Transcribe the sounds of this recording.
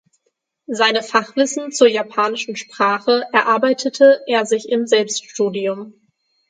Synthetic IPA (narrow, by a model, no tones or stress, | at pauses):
zaɪnəfaχv̥ɪsn̩t͡suːɐjapʰaːnɪʃn̩ʃpʁ̥aːχəʔɛɐʔaɐbaɪtʰətʰəʔeːɐzɪçɪmzɛlpstʃtuːdiʊm